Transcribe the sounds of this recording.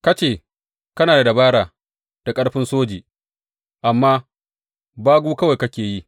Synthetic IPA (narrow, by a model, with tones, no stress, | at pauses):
kɐ˦t͡ʃeː˦˨ | kɐ˦naː˨da˨da˨baː˦ɽaː˨ | d̥a˨kʼɐ˦ɽɸɪ˦nsoː˦d͡ʒiː˨ | ʔa˨mːaː˦ | baː˦ɡʷuː˦kɐ˦wa˨kɐ˦kʲeː˨ji˦